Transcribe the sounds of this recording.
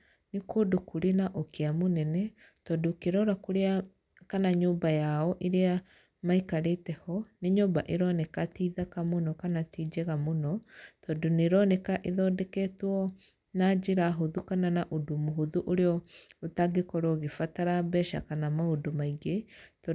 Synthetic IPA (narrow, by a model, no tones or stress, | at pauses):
nikodokuɾenaʔokeamonɛnɛ | tɔdokeɾɔɾakoɾea | kanaɲoːbajaɔʔeɾea | maikaɾetɛhɔneɲoːbaʔeɾɔnɛkatiːðakamonɔkanatiːd͡ʒɛɣamonɔtɔdoneɾɔnɛkaʔeðɔːdɛkɛtwɔ | nad͡ʒeɾaɦoðukananaʔodumuɦoðuʔoɾeɔotaɡekɔɾoɣefataɾabɛʃa̰kanamaodomaiɡet